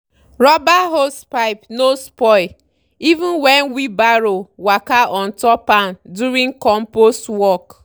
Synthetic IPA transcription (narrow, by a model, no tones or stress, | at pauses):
ɾɔbaɦospaɪpnospɔɪ | ivun̩wɛnwibaɾowakaʔɔn̩tɔpanduɾĩŋkɔm̩postwɔk